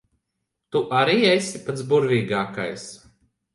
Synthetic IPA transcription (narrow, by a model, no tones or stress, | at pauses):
t̪uʔaɾiːesʲipat̪sbuɾviːɡaːka̰js